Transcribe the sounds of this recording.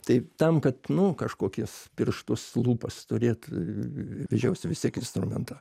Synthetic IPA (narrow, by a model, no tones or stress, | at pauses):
t̪ɐɪt̪ɐmkɐt̪nʊkɐʃkoːkʲɪspʲɪrʃt̪ʊslˠuːpɐst̪ʊɾʲeːt̪ | ʋʲɛʒʲɛʊsʲɪʋʲɪst̪ʲiɛkɪnst̪ɾʊmʲɛ̰nt̪ɑː